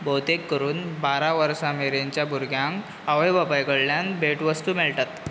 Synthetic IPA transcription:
bot̪ekːəɾuːnbaɾaʋəɾsameɾeɲt͡ɕjabʱuɾɡʱjãŋk | aʋejbapajkəɽljanbʱeʈʋəst̪uːmelʈat̪

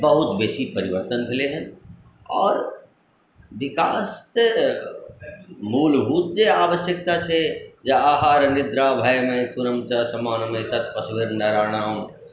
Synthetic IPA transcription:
bəɦʊt̪beːsipɐɾɪʋəɾt̪ənkʰɪleɦɛ̃n | ɔːɾ | ʋɪkaːst̪ | muːlɦuːt̪̚d͡ʒeaːʋəʃjək̚t̪at͡ʃʰed͡ʒɐaːɦaːɾnɪd̪ɾaːbʱajmẽt̪ʊɾəmt͡ʃasɐmaːnmẽt̪ɐt̪̚pəsʋeɾnɐɾaːɽ̃aːɦũ

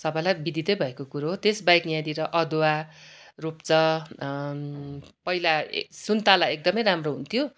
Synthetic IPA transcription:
sʌbʌjlajbid̪ʱit̪ʌjbʱʌekokuɾoɦot̪esbajkjãd̪iɾʌʔʌd̪owarupt͡sʌ | pʌila̰sunt̪alajek̚d̪ʌmʌjɾamroɦunt̪ʰijo

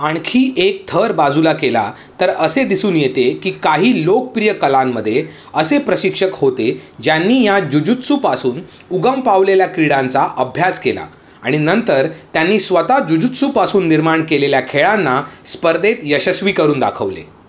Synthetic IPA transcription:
aɳ̃kʰiːʔek̚t̪ʰəɾbad͡zulakela̰ | t̪əɾəsed̪isuːnjet̪ekiːkaɦiːlok̚pɾijəkəlamːəd̪ʱːje | əsepɾəɕikʂəkhot̪ed͡ʑjanːiːjad͡ʑud͡ʑut̪supasuːn | uɡəmpaʋleljakɾiɽãnt͡saʔəbʱjaskela̰ | aɽ̃inənt̪əɾt̪janːiːsʋət̪ad͡ʑud͡ʑut̪supasuːnːiɾmaɳkeleljakʰeɭanːaspəɾd̪et̪jəɕəsʋiːkəɾuːnd̪a̰kʰəʋlḛ

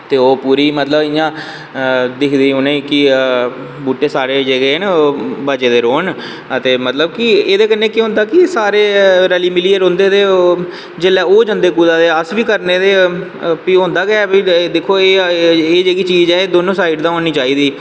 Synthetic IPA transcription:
t̪eːoːpuːɾiːmət̪ləbɪjãː | d̪ɪkʰd̪iːʊnẽːkɪ | buːʈeːsaːɾeːd͡ʒeːɡenbət͡ʃeːd̪eːɾoːn | ət̪eːmət̪ləb̚kɪeːd̪eːkənːeːkiːɦʊ̃nd̪aːkɪsaːɾeːɾɛliːmɪliːeɾõːnd̪eːd̪eː | d͡ʒelːɛːoːd͡ʒə̃nd̪eːkuːd̪aːd̪eːəsʋiːkəɾneːd̪eː | piːʊ̃ːnd̪aːɡɛbiːd̪eːkʰːoːeːeːd͡ʒeːɡiːt͡ʃiːd͡ʒɛːeːd̪oːnõːsaːɪɖd̪ãːɦõːniːt͡ʃaːiːd̪iː

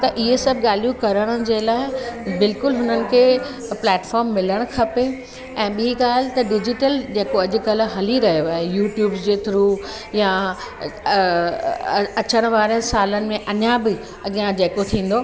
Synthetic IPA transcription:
t̪ɐʔɪɦesɐbʱɠaːlijũkɐɾəɽ̃əd͡ʑeːlaːɪbɪlkʊlɦʊnənɪ̆kʰeː | plɛːʈfɔːɾmːɪləɽ̃kʰɐpe | ɛ̃ːɓiɦiɡaːl̤ɪt̪ɐɖɪd͡ʑɪʈəld͡ʑeːkoɐʄʊ̆kɐl̆ɦɐliɾɐɦijoaːɦejuːʈjuːbzd͡ʑeːt̪ʰɪɾuː | ja | ɐt͡ɕəɽ̃ʋaːɾəsaːlənɪ̆mẽʔɐɲabɪ | ɐɡijãd͡ʑeːkot̪ʰĩːn̆d̪oː

